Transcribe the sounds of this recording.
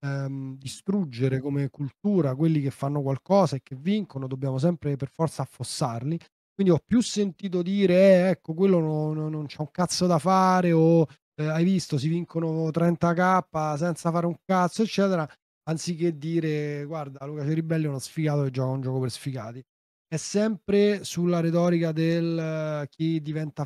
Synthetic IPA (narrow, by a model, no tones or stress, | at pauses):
d̪ist̪ɾud͡ʒːeɾekomekult̪uːɾak̬welːikefːanːok̬walkɔːsaekːeviŋkonod̪objaːmos̬ɛmpɾeperfɔrt̪saːfːosːarli | kwind̪iɔpːjusːent̪iːt̪̬od̪iːɾeɛɛkːok̬welːonoːont͡ʃɛuŋkat̪sːod̪afaːɾeo | ajvist̪osiviŋkonot̪ɾɛnt̪akapːasɛnt̪safaːɾeuŋkat̪sːoet͡ʃːɛːt̪eɾa | ant̪sik̟ːed̪ːiːɾeɡward̪alukat͡ʃeɾibːɛlːiunɔsfikaːt̪oed͡ʒːɔːkaund͡ʒɔːkopeɾsfika̰ːt̪i | ɛsːɛmpɾesulːaɾet̪̬ɔːɾikad̪elk̟id̪ːivɛnt̪a